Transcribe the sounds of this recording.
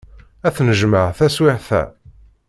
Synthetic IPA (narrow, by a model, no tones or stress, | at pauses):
æθnəʒməʕθæswɪħθæ̰